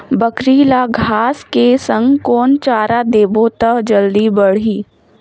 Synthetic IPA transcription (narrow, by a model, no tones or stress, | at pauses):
bəkɾiːlaɡʱaːskesə̃ŋɡkɔːnt͡ʃaːɾad̪eːbõt̪əkd͡ʒəld̪ibəɽ̤iː